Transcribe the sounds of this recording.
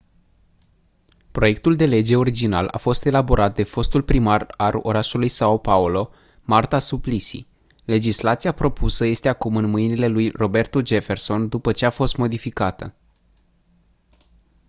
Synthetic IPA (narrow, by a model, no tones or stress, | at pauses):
pɾo̞je̞k̚t̪uld̪e̞le̞d͡ʒe̞o̞ɾid͡ʒina̰lʔa̰fo̞st̪e̞labo̞ɾʔat̪̚d̪e̞fo̞st̪ulpɾimaralo̞̰ɾaʃulujsaopaulo̞ | mart̪asuplisḭ | le̞d͡ʒislat̪sijapɾo̞pusəje̞st̪e̞akumɨnmɨjnile̞lujro̞be̞rt̪ud͡ʒe̞fe̞rso̞nd̪upət͡ʃe̞afo̞st̪mo̞d̪ifikat̪ə̰